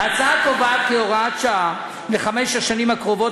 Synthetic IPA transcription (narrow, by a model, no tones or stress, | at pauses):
at͡satovat̪̚keoʁatt͡ʃaa | leχameʃaʃanimakʁovo̞